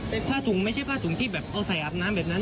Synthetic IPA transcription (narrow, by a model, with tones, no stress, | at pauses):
t̪a˧˩pʰaː˥˩t̪ʰu˨˩˦ŋma˥˩t͡ɕʰa˥˩jpʰaː˥˩t̪u˨˩˦ŋt̪ʰiː˥˩bɛː˨˩p̚ʔa˧wsa˨˩˦jʔaː˨˩p̚naː˦˥mbɛː˨˩p̚na˦˥n